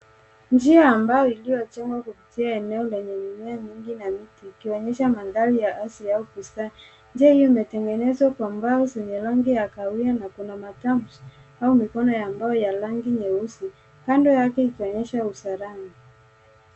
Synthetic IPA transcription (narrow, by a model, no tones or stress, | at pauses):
nd͡ʒiaːmbajɔilijɔt͡ʃɛŋɡwakupitiaɛnɛɔlɛɲɛmumɛamiŋɡinamitiːkiɔɲɛʃamaðalijaʔasiaukusa | ɲd͡ʒɛhijɔimɛtɛŋɡɛnɛzwakwambaɔzɛɲɛlaŋɡijakaijanakunamatamusi | aumikɔnɔjambajɔjalaŋɡiɲɛusi | kandɔjakɛikiɔɲɛʃausaɾana